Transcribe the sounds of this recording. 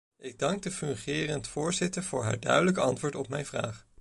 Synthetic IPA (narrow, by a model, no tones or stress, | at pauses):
ɪɡ̚dɑŋɡ̚dəfɵŋχɪːrəntfʊːɹzɪtəɹv̥ʊːɹɦa̰ːɹdœ̰ɥdələkɑntʋʊːɹtɔpmɛjnvra̰ːχ